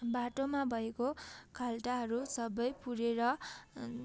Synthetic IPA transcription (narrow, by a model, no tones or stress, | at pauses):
baʈomabʱʌekokʰalʈaɦʌɾusʌbʌjpuɾeɾʌ